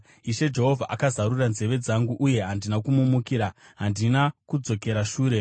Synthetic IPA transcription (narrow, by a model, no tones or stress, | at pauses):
iʃe̞d͡ʒe̞ɦo̞vʱaʔakazaɾuranze̞ʋe̞d͡zaŋɡuʔuje̞ɦandinakumumukiɾaɦandinakud͡zo̞ke̞ɾaʃuːɾe̞